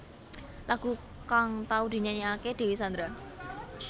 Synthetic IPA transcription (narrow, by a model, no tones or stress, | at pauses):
laɡ̥ṳ | kaŋt̪aud̪̥i̤ɲaɲaaked̪̥e̤wisand̪ɾa